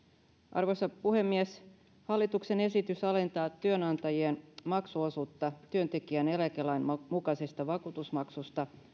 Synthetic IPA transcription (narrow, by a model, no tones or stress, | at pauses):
ʔɑ̰rʋosɑpuhe̞mːies | hɑlːit̪ukse̞ne̞sit̪ysɑle̞nt̪ɑːt̪yønɑnt̪ɑjienmɑksuosuːt̪ːɑt̪yønt̪e̞kiænelækelæjnmukɑsest̪ɑʋɑkuːt̪usmɑksust̪ɑ